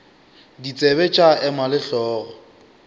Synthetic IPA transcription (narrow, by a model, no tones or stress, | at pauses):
dit͡sʼɛbɛt͡ʃʼaɛmalɪɬɔːɣɔ